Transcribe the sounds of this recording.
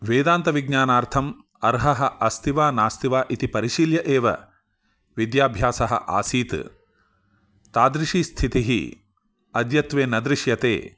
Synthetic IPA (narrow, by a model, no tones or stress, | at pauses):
ʋeːd̪aːnt̪ɐʋiɡ̚ɲaːnaːɾt̪ʰɐm | ɐɾɦɐɦɐʔɐst̪iʋaːnaːst̪iʋaːʔit̪ipɐɾiʃiljɐʔeːʋɐ̰ | ʋid̪jaːbʱjaːsɐɦɐ̰ʔa̰ːsiːt̪ | t̪aːd̪ɾiʂiːst̪ʰit̪iɦḭ | ɐd̪jɐt̪ʋeːnɐd̪ɾɪʃjɐt̪ḛː